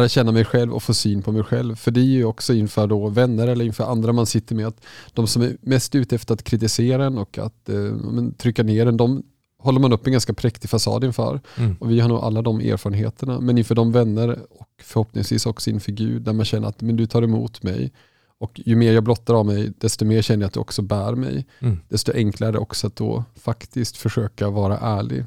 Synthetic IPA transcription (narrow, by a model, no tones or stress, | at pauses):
læɾat̪ɕɛnːamɛjɧɛlvɔ̰foːsyːnpʰɔmɛjɧɛ̰lvfœɖɛjɔksɔɪnfœːɖɔvɛnːəɾɛlːəɾɪnfœːɾʔand̪ɾamansɪt̪ːəɾmɛat̪d̪̥ɔmsɔmæɾmɛst̪ʉ̟ːt̪əɛft̪əɾat̪kʰɾɪt̪ɪseːɾaɛnɔkʰa̰t̪ɑ̰ːmɛnt̪ʰɾʏkːaneːɖɛnd̪ɔm | hɔlːəɾmanɵpːɛnɡanskapʰɾɛkt̪ɪɡfasɑ̰ːd̪ɪnfœ̰ːɾɔvɪhaɳuːɡʔa̰lːad̪ɔmḛːɾfɑːɾənɦḛːt̪əɳamɛnɪnfœːɖɔmvɛnːəɾɔkfœɾhɔpnɪ̰ŋsvḭːsɔksɔɪnfœɾɡʉ̟̰ːd̪̚ːæɾmanɕɛnːə̰ɾa̰t̪mɛnd̪ɵt̪ʰɑːɾɛmṵːt̪mɛ̰j | ɔkjɵmeːɾjɑːɡ̚blɔt̪ːaɾavmɛjd̪̥ɛst̪ɔmeːɾɕɛnːəjat̪d̪ɵɔ̰ksɔbæːɾmɛ̰jd̪̥ɛst̪ɔʔɛŋklaɾɛd̪ɛ̰ʔɔ̰ksɔat̪̚d̪ɔ̰ːfakt̪ɪskt̪fœʂøːkavɑːɾa̰ʔæːɭɪ̰ɡ